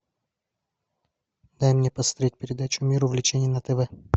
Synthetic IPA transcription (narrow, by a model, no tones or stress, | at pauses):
d̪ajmnʲepɐst̪ɾoit̚ʲpʲɪɾʲɪd̪at͡ɕʊmʲiɾʊvlʲɪt͡ɕenʲɪjənət̪ɛvɛ